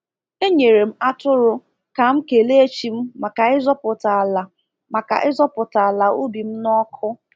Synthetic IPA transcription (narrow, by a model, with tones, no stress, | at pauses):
e˦ɲe˨ɾe˨m̩˦a˦tʊ˦ɾʊ˦ | ka˨m̩˦ke˨le˦e˦t͡ʃi˨m̩˦ma˨ka˨ɪ˦zɔ˦pʊ˨ta˨la˨ | ma˨ka̰˨ʔɪ˦zɔ˦pʊ˨ta˨a˨la˨u˦bi˨m̩˦nɔ˦kʰʊ˦